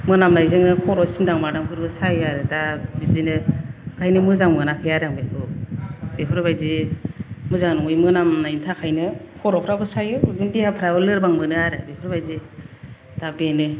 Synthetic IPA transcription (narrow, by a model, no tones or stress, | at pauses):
mɯnamnajzɯŋnɯkʰɔɾɔsindaŋmadamkʰɯɾbɯsajɯaɾɯdabizinɯɡ̥ʰajnɯmɯzaŋmɯnakʰɯjaɾaŋbekʰɯ | bepʰɯɾbajzi | mɯzaŋnɔŋɯjmɯnamnajntʰakʰajnɯkʰɔɾɔpʰɾabɯsajɯdindijapʰɾabɯlɯɾbaŋmɯnɯaɾɯbepʰɯɾbajzi | d̥abenɯ